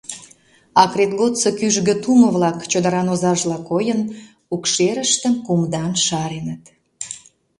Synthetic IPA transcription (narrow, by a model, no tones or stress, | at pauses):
ɑkret̪ɡot̪səkyʒɣə̆t̪umə̆βlɑkt͡ɕod̪əɾɑnozɑʒlɑkojən | ukʃeɾəʃt̪əmkumd̪ɑnʃɑɾenət̪